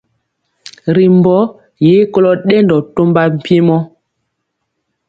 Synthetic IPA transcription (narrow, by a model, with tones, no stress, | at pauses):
ɾi˨mbɔ˨˦ | je˨˦ko˦lɔ˦ɗɛ˦ndɔ˨to˦mba˦m̩˨pje˦mɔ˦